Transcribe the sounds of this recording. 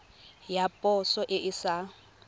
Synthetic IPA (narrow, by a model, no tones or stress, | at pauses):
japʼɔsɔʔɪʔɪsa